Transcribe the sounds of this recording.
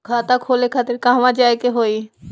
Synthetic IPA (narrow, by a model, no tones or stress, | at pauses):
kʰaːt̪akʰoːlekʰaːt̪ɪɾkãɦʋãd͡ʒaːekeɦoːi